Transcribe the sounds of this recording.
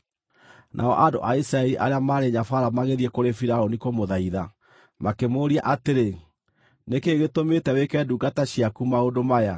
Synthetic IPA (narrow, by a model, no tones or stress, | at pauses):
nʔa̰ɔ̰ʔando̰ʔaisɾaɛɾiʔa̰ɾeamaːɾeɲafaɾamaɣeðiɛkoɾefiɾaonikomoðaiða | makemoːɾia̰ʔateɾe | nekeɣetometɛwekɛduɡataɕiakumaodomaja